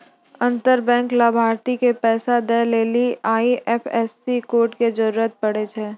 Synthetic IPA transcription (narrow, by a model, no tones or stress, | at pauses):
ɐ̃nt̪əɾbɛ̃ːŋklaːbʱaːɾt̪ikepɛːsad̪ɛleːliaːiʔɛːpʰɛːsːikoːɾʈked͡ʒəɾuːɾət̪̚pɐɽet̪ʰeː